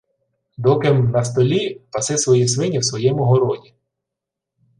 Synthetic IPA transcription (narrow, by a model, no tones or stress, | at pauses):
d̪ɔkɪmnɐs̬t̪ɔlʲipɐsɪsʋɔjisʋɪnʲiwsʋɔjɛmʊɦɔɾɔdʲi